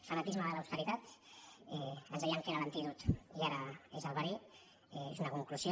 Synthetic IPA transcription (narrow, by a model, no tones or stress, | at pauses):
fanat̪izmaðəlaəwst̪əɾit̪at̪ɛənzðɛjaŋkeɾələnt̪it̪ut̪iaɾaezəlˠβaɾi | ɛezunakuŋkluzjo